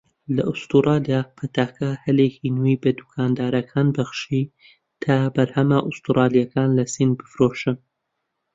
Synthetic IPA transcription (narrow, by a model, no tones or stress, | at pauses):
lɐ̰ʔʊst̪uɾɑːlijapʰɐt̪ʰaːkɐhɐlekʰinuijbɐd̪ukʰaːnd̪aːɾɐkʰaːnbɐxʃi | t̪ʰabɐɾhɐmɐʔʊst̪uɾʔɑːlijɐkaːnlɐsinbɨfɾoʃɨn